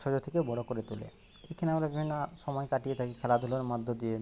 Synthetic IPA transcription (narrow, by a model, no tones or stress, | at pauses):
ʃɔd͡ʑot̪ʰekebɔɽokoɾet̪ulḛ | ekʰineamɾabibʱinːoʃɔmɔekaʈiet̪ʰakikʰɛlad̪ʱuloɾmad̪ʱːod̪ie